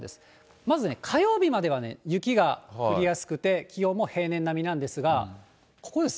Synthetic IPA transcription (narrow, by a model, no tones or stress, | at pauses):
d̪e̞sɨ̥ | mazɨne̞kʰajo̞ːbʲimad̪e̞βane̞̰jɯ̟kʲiɡaɯ̟ɾʲijasɨ̥kɯ̟t̪e̞kʲijʲo̞ːmːo̞he̞ːnẽ̞nːamʲinãnd̪e̞sɨɡa | ko̞̥ko̞d̪e̞s